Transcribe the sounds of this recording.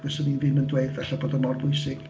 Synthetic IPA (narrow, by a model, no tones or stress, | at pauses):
ɛsəninvɪnəndweɨðvɛɬaboːdənmɔrbʊjsɪɡ̥